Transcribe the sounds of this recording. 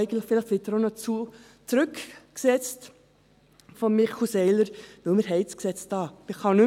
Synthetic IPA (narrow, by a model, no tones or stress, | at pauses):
ɪɡən̩tləχfɪlɪχʋɪt̪əɾonɔt͡su | t͡sɾʉkksɛt͡st | fɔnmɪχusɛɪləɾʋɪlməɾɦɛɪsksɛt͡stɑːmɪχɑnʉ